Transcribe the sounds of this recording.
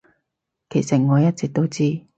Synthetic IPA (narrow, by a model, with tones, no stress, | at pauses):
kʰe˨˩jsɐ˨˩ŋɔː˨˧jɐ˥t̚t͡sɛː˨k̚t̪o˥wt͡siː˥